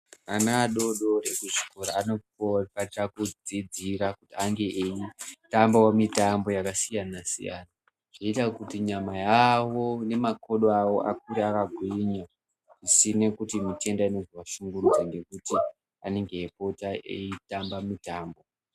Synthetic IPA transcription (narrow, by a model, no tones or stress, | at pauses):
anaːɗo̞ɗo̞rekuʐiko̞ɾaano̞upatakud͡zid͡ziɾakutiaŋɡe̞ʔeitambawamitambo̞jakasijanasḭja̰ːna | ʐ̥oitakutiɲamajawo̞ne̞mako̞ɗoawo̞̰ʔakuɾeakaɡʱwiɲa | ʐisinekutimite̞ndaino̞zwaʃuŋɡurud͡zaŋɡe̞kuti | ane̞ŋɡeːpo̞taḛitambamitaːmbo̞